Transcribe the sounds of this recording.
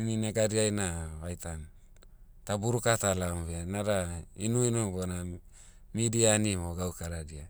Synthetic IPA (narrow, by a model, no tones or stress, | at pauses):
nineɡaɾiajnaβajtan | tabuɾukatalamβenaɾainuinubona | midianimoɡawkaɾadia